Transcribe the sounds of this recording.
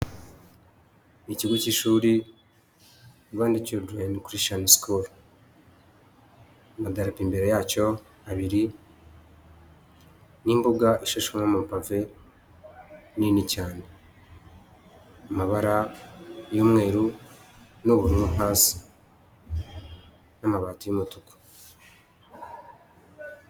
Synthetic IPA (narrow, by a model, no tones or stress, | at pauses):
niciɡuciʃuːɾi | uβaːndicodwenikuɾiʃaniskʰof | amadaɾapiːmbe̞ɾejaːco̞ | aβiɾi | niːmbuɡaʔiʃeʃaŋamumpave̞ | ninicaːne̞ | amaβaɾa | joːmŋe̞ːɾu | noβuɾimomaːsi̥ | namaβaːtojumutuko̥